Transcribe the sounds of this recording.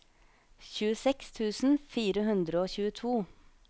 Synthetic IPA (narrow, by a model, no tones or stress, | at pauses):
çʉːəsɛkst̪ʰʉːsn̩fiːɾəhʉnd̪ɾəoːçʉːət̪ʰuː